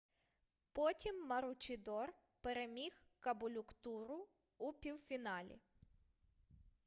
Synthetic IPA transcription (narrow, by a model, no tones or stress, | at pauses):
pɔtʲimːɐɾʊt͡ʃʲɪd̪ɔr | peɾemʲixkɐbʊlʲʊkt̪uɾʊː | pʲiwfʲinɑlʲḭ